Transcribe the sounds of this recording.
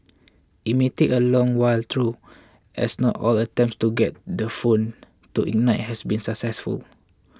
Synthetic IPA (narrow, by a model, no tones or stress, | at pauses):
imiteʔəlɔ̃ŋwajlt̪ʰɹu | ʔɛ̰snɔtɔlətɛ̃mpstuɡɛt̚dəfõn | tuʔḭnaɪt̚hɛsbĩnsəksɛsfṵl